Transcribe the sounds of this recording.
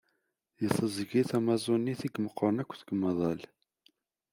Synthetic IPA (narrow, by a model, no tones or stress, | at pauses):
jəsˤəzɡiθæmɑzˤonːiθiɡməqːəɾˤnækʷːθəɡəmɑðˤɑl